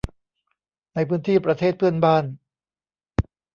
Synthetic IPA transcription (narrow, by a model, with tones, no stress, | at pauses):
na˧jpʰɯː˦˥nt̪ʰiː˥˩pɾa˧t̪ʰeː˥˩t̪̚pʰɯ˥˩ənbaː˥˩n